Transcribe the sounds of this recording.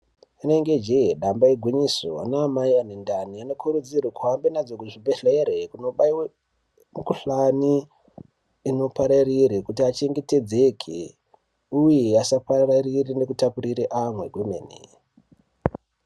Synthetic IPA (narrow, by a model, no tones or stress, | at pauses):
ineŋɡe̞d͡ʒeɗambaiɡʱwiɲisonaːmaianindaniano̞kʰuɾud͡zirwikuɦambenad͡zokuʐibʱeɬeɾekuno̞ɓaiwe | mukuɬani | no̞paɾariɾikutiat͡ʃeŋɡete̞d͡ze̞kʰḛ | ujeasapararirine̞kutapuriɾiʔamwe̞ɡʱunḛnḭ